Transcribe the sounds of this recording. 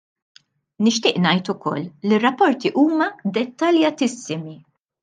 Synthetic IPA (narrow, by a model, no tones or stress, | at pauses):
nɪʃt̪ɪːʔnɐjt̪ʊkɔ̰lːirːɐpːɔɾt̪iʔuːmɐd̪ɛt̪ːɐljɐt̪ɪsːɪmi